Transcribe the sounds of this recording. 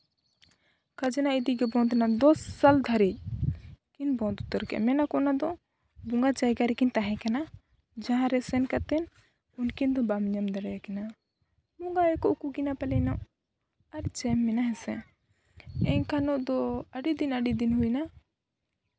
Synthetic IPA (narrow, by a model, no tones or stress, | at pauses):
kad͡ʒɛnaʔid̪iɡɛbɔ̃nt̪nad̪ɔsːald̪ʱaɾic̚kinbɔ̃nt̪ut̪ɔɾkɛʔmɛnakɔnad̪ɔ | buŋɡad͡ʒajɡaɾɛkint̪aɦɛ̃kana | d͡ʒãɦãɾɛsɛnkat̪ɛn | unkind̪ɔbamɲamd̪aɾajakɛna | muŋɡaɛkɔʔukuɡinapɛlɛna | aɾt͡ʃɛmːɛnaɦɛsɛ | ɛɲkanɔʔd̪ɔəɖid̪inəɖid̪inɦujna